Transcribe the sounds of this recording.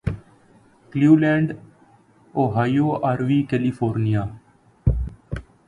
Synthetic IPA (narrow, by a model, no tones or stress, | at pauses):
kljuːlɛ̃ːɳɖ | oːɦaːijoːaːɾʋiːkɛliːfʰoːɾnijaː